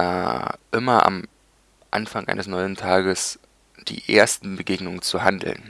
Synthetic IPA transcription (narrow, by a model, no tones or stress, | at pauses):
a̰ʔɪmɐʔa̰m | ʔa̰nfaŋʔa̰ɪnəsnɔʏəntʰaːɡəs | d̥ḭːʔḛːɐstn̩bəɡeːɡnʊŋənt͡suɦandl̩n